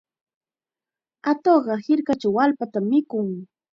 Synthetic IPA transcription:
at̪oɢɑhɪɾkat͡ʃawalpat̪amːɪkʊŋ

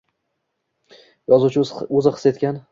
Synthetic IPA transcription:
jɒzuwt͡ʃʰɪɵzɪχɨ̥set̪kʲan

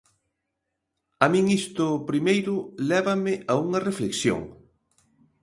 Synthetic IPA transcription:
amĩŋist̪ʊpɾimejɾʊlɛβɐmɪʔauŋɐrefleksjo̰ŋ

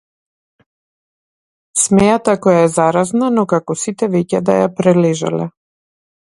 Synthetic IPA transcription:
smɛjat̪akɔjaɛzaɾaznanɔkakɔsit̪ɛvɛcɛd̪a̰japɾɛlɛʒa̰lɛ̰

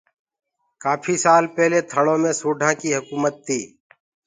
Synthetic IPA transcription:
kaːpʰiːsaːlpɛɦleːt̪ʰəɽõːmẽːsuːɖʱãːkiːɦʊkuːmət̪ʰːiː

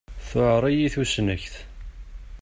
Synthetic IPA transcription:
θʊʕɾˤijiθusnəçθ

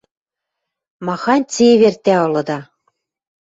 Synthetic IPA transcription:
mɑxɑnʲt͡sʲeβert̪ːæɤ̆lɤ̆d̪ɑ

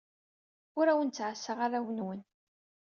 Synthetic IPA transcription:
ʊɾæwənt͡sːʕəsːəʁaɾæwənwən

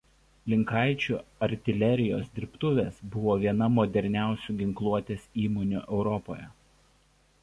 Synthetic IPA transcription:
lʲɪŋˑkɐˑɪt͡ʃʲuːɐɾʲt̪ʲɪlʲɛɾʲɪjoːsd̪ʲɪɾpt̪ʊʋʲeːsbʊʋoːʋʲiɛnɐmɔd̪ʲɛɾʲnʲæˑʊsʲuːɡʲɪŋklˠuɔt̪ʲeːsiːmoːnʲṵːʔɛʊɾɔpo̰ːjɛ

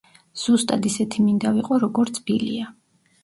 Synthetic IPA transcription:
z̥ust̪ʼad̪isɛt̪ʰimind̪aviqʼɔɾɔɡɔɾt̪sʰb̥ilḭa

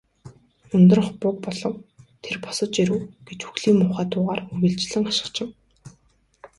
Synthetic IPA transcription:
ɵnt̪ɵ̆r̆χpʊk̚pɔɮɞ̆wt̪ʰerpɔ̥sɞ̆t͡ɕiɾɘ̆wɡ̥et͡ɕxuxɮiːŋmʊːχæːt̪ʊːʁaːrɵwʲĭɮt͡ɕɮɘ̆ŋaʃɪ̥̆χt͡ɕɪ̆w

